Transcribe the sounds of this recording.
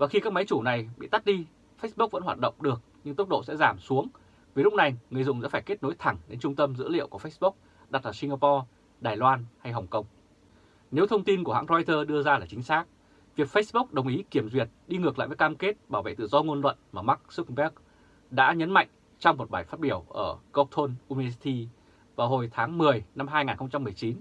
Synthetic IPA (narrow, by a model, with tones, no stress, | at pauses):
vaː˨˩xi˧kaː˦˥kma˨˦jt͡ɕu˧˩na˨˩jɓḭ˧˨t̪a˦˥t̚ɗi˧ | fə˦˥s̚ɓu˦˥k̚və̰˧˥nhwa̰ː˨˩t̚ɗə̰˧˨wŋ͡mɗɨ˨˩ək̚ɲɨ˧ŋt̪ʊ˦˥ɗo̰˧˨sɛ̰˧˥zaː˧˩msu˨˦əŋ | vi˨˩lʊ˦˥k͡p̚na˨˩jŋɨ˨˩əjzʊ̰˧˨ŋ͡mŋza̰˧˥faː˧˩jke˦˥t̚no˨˦jt̪ʰa˧˩ŋɗe˧nt͡ɕʊ˧ŋ͡mt̪ə˧mzɨ̰˧˥lḭ˧˨əwku˧˩əfə˦˥sɓʊ˦˥k̚ | ɗa˨˩t̚laː˨˩si˧ŋɣaː˧pɔ˧ | ɗaː˨˩jlwaː˧nha˧jɦə˨˩wŋ͡mkə˧wŋ͡m | ne˨˦wt̪ʰə˧wŋ͡mt̪i˧nku˧˩əɦa̰ː˧˥ŋzɔ˧jt̪əː˧ɗɨ˧əzaː˧laː˨˩t͡ɕï˨˦ŋ̟saː˦˥k̚ | vi˨˩ək̚fə˧˦˥sɓʊ˦˥k͡p̚ɗə˨˩wŋ͡mʔi˨˦ki˧˩əmzwət̚ɗi˧ŋɨ˨˩ək̚la̰ː˧˨jvə˨˦kaː˧mke˦˥t̚ɓaː˧˩wvḛ˧˨t̪ɨ̰˧˨zɔ˧ŋo˧nlwə̰˧˨nmaː˨˩ma˦˥k̚sɨ˦˥k̚ɓɛ˦˥k̚ | ɗa̰ː˧˥ɲə˨˦nma̰˧˨ŋ̟ | t͡ɕɔ˧wŋ͡mmo˨˩t̚ɓaː˧˩jfaː˦˥t̚ɓi˧˩əwʔəː˧˩ɣo˨˧t̪ʰo˧nʔu˧mi˧ə˧s̬i˧t̪i˧ | vaː˨˩wɦo˨˩jt̪ʰaː˨˦ŋmɨ˨˩əjna˧mɦaː˧jŋaː˨˩nxə˧ŋ͡mt͡ɕa˧mːɨ˨˩əjt͡ɕi˨˦n